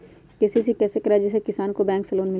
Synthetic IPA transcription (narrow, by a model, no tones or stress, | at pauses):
kesisikɛːsekəɾad͡ʒɪs̬ekɪsaːnkobɛ̃ːŋksəloːnmɪl